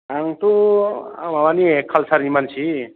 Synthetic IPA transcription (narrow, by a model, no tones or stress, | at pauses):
aŋt̪ua̰mawanikʰʌlsaɾnimant͡sʰi